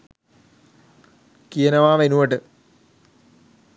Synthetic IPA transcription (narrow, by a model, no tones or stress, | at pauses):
kijɐnɐʋaːʋenuɐʈɨ